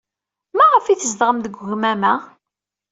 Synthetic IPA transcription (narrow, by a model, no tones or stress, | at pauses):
mæʁəfiθəzd̪ʁəmðəɡʷɣmæmæ